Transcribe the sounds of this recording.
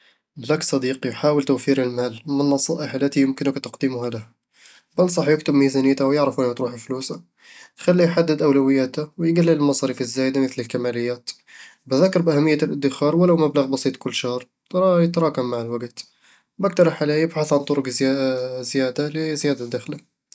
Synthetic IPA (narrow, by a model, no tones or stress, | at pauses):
læksˤɑd̪iqijħawəlt̪uwfiɾəlmælmənːɑsˤɑʔəħlæt̪ijəmkənəkt̪ɑqd̪imuhæd̪əh | bənsˤɑħjəkt̪əbmizænit̪awjəʕɾəfʔænæt̪ɾuħəflusa | xælːijħad̪ːəd̪ʔæwlæwəjːæt̪æwjɡælːələlmɑsˤɑɾifəzːæjd̪aməθləlkæmæləjːæt̪ | bæðækːɑɾˤbʔæhæmːəjːælʔəd̪ːəxɑɾˤwəlawmæbləɣbɑsˤit̪ˤkʊlːʃɑhɾˤ | ɾˤɑjət̪ɾˤɑkamːaʕəlwəɡt̪ | bæk̚t̪ɑɾˤħalæjəbħaθʕant̪ˤʊɾʊk | zjæd̪alizjæd̪ad̪ːæxla